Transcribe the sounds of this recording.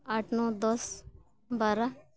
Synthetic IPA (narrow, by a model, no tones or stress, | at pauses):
aːʈʰnoːd̪ɔs | baːɾa